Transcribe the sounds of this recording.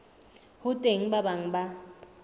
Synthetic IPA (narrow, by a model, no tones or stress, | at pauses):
hʊtʼeŋ̩babaŋ̩ba